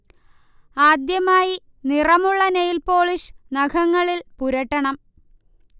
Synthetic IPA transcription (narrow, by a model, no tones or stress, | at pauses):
aːd̪jɐmaːji | nirɐmuɭːɐnejilpo̞ːɭiʂnɐɡʰʱɐŋːɐɭilpuɾɐʈːɐɳɐm